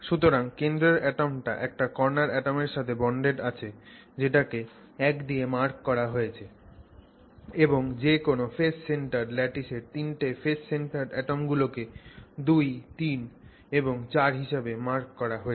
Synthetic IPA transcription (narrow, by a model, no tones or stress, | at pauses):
ʃut̪oɾaŋkend̪ɾeɾɛʈomʈa̰ʔɛk̚ʈakɔɾnaɾɛʈomeɾʃat̪ʰebɔɳɖeʈat͡ɕʰe | d͡ʑeʈake | ɛkd̪iemaɾkːɔɾaɦojet͡ɕʰe | eboŋd͡ʑekonofesseɳʈaɾlɛʈiʃeɾt̪inʈefesseɳʈaɾɛʈomɡuloked̪ujt̪in | eboŋt͡ɕaɾɦiʃabemaɾkːɔɾaɦoe